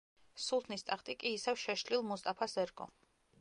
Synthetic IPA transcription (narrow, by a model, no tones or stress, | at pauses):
sulˠt̪ʰnist̪ʼaχt̪ʼikʼiːsɛvʃɛʃlilˠmɔst̪ʼapʰasɛɾkʼɔ̰